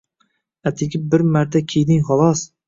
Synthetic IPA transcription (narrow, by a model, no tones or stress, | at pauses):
at̪ʰekʲʰɪp̚bɪɾmaɾt̪ʰakʲʰejd̪ɪŋχɒlˠɒs